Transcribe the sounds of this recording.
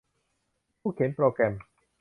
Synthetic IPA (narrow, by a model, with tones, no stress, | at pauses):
pʰuː˥˩kʰe˩˦npɾoː˧kɾɛ˧m